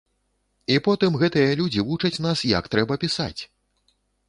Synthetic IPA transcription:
ipɔt̪ɨmɣɛt̪ɨjɐlʲud͡zʲivut͡ʂɐt͡sʲn̪asjɐ̰kt̪ɾɛbɐpʲisa̰t͡sʲ

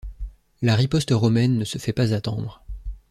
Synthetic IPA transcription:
laʁipɔst̪ʁɔmɛnːəsəfɛpazat̪ɑ̃d̪ʁ

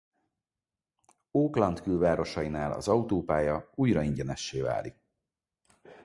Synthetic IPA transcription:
oːklɒnt̪kylvaːɾo̞ʃɒinaːlɒ̰zɒut̪oːpaːjɒuːjrɒiɲɟɛnɛʃːeːva̰ːlik̚

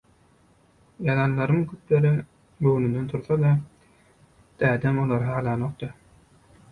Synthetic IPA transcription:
jɑlˠɑnlˠɑɾɯŋkʰyt̪leɾi | ɡøwnynd̪ent̪ʰuɾθɑd̪ɑ | d̪̥æːd̪emolˠɑɾɦɑːlˠɑnoqt̪ɯ

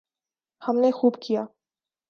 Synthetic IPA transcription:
hɐmnexuːbkʰijaː

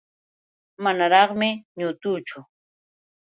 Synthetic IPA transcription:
manaɾɑχmɪɲʊt̪uːt͡ʃʊ

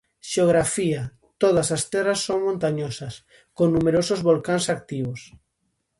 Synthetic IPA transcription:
ʃeoɣɾafia | t̪oð̞ɐsast̪ɛrɐsːoŋmõnt̪aɲosɐs | koŋnumeɾosozβolkaŋsak̚t̪iβos

